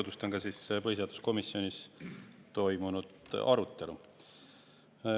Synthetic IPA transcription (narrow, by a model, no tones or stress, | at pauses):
d̪̥ust̪o̞nɡɑsispɤhiseɑːd̪u̥sko̞misːio̞nʲis | t̪o̞jmunud̪̥ɑɾut̪ːˑe̞lu